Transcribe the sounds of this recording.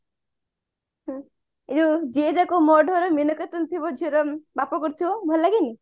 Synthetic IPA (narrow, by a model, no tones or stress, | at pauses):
ɦ | ed͡ʒud͡ʒed͡ʒakomɔɖʱɔɾɔminɔket̪ɔnt̪ʰibɔd͡ʒʱiɾɔbapɔkɔɾt̪ʰibɔbʱɔllaɡini